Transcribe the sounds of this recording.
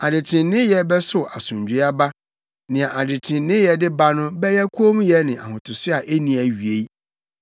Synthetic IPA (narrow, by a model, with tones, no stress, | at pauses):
a˨dɪ˨tʰɪ̃˨nɪ̃˦jɛ˦bɛ˦sʊ˨a˨sʊ̃˨ɲd͡ʑᶣɥa˦ba˦ | nɪ̃˨ã˨ʔa˨dɪ˨tʰɪ̃˨nnɪ̃˦jɛ˨dɪ˦ba˦nʊ̃˦bɛ˦jɛ˦kʰu˦o˦m̃˦jɛ˦nɪ̃˨a̰˨hʊ̃˨tʰʊ˨sʊ˦a˨ʔe˦nĩ˨æ˨ɥi˨e˦i˦